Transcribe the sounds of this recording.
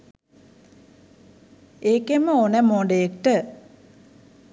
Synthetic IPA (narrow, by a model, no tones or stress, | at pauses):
eːkeməonəmoɳɖejekʈə